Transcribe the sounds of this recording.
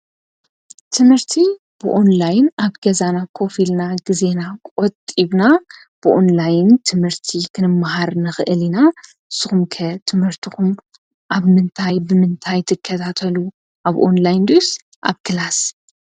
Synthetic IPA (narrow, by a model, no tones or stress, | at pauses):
t̪ʰɨmhɨɾt̪ʰi | b̥ɨʔonlajnaβɡ̥ɐzanakʰo̞filnaɡɨze̞nakʼot̪ʼiβna | b̥ɨʔo̞nlajnt̪ʰɨmhɨɾt̪ʰikʰɨnɨmːaɦaɾnɨxɨʔɨlina | ʔɨsːɨxumkʰɐt̪ʰɨmhɨɾt̪ʰixum | ʔaβmɨnt̪ʰajbɨmɨnt̪ʰajt̪ʰɨkʰːɐt̪ʰat̪ʰɐlu | ʔaβʔo̞̰nlajnd̪os | ʔa̰βkʰɨlas